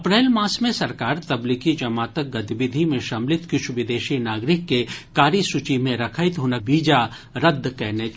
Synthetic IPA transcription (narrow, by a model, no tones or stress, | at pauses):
ɐpɾɛːlmãːsmẽsɐɾkaːɾt̪ɐblikid͡ʒɐmaːt̪ək̚ɡɐt̪ibɪd̪ʱimẽʃɐmlɪt̪kɪʃʋɪd̪eːʃinaːɡɾɪkːekaːɾisut͡ʃimẽɾɐkʰəɪt̪ɦoːnəbiːd͡ʒa | ɾɐd̪ʱːkɛɦne